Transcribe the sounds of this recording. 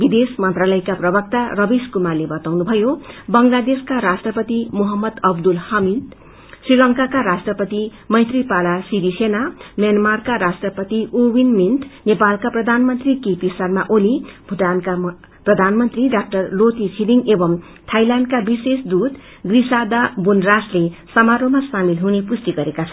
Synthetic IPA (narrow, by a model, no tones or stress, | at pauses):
bid̪esmʌnt̪ralʌjkaprʌbʌk̚t̪arʌbiskumarlːebʌt̪awnubʱʌjobʌŋlad̪eskaɾasʈrʌpʌt̪imoɦʌmːʌd̪ʌb̚d̪ulhʌmid̪ | srilʌŋkakaɾasʈrʌpʌt̪i | mʌjt̪ripalasibisenamjanmarkaɾasʈrʌpʌt̪iʔowinminʈnepalkaprʌd̪ʱanmʌnt̪rikepisʌrmaʔolibʱuʈanka | prʌd̪ʱanmʌnt̪riɖak̚ʈʌrlot̪it͡sʰiliŋebʌm | t̪ʰajlanɖkabisesd̪ud̪ | ɡrisad̪abunraslesʌmaɾomasamilɦunepust̪iɡʌɾekat͡sʰʌ